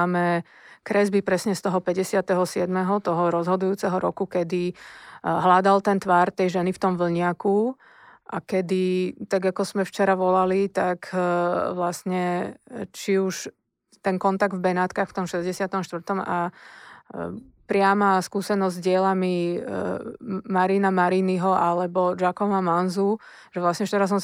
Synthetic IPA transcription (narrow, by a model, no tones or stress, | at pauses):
amɛ | kɾɛzbipɾɛsɲɛst̪ɔɦɔpɛɟɛsɪat̪ɛɦɔsɪɛd̪mɛɦɔt̪ɔɦɔɾɔzɦɔd̪ujuːt͡sɛɦɔɾɔkukɛd̪i | ɦlad̪alt̪ɛnt̪ʋaːɾt̪ɛjʒɛnift̪ɔmʋl̩ɲɪaku | ʔakɛd̪it̪aɡakɔz̥mɛft͡ʃɛɾaʋɔlalit̪akʋlasɲɛ | t͡ʃiuʃ | t̪ɛŋkɔnt̪aɡ̚d̪vbɛnaːt̪kaxft̪ɔmʃɛzɟɛsɪat̪ɔmʃt̪ʋr̩t̪ɔma | pɾɪamaskuːsɛnɔzʲzɟɪɛlami | maɾinamaɾiniɦɔʔalɛbɔd͡ʒakɔmamanzu | ʒɛʋlasɲɛft͡ʃɛɾas̬ɔm